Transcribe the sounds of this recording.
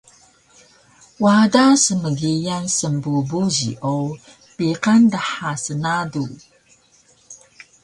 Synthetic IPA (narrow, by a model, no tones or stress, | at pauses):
wadasəməɡijansəmbubuʑḭʔow | piqandaħasənadu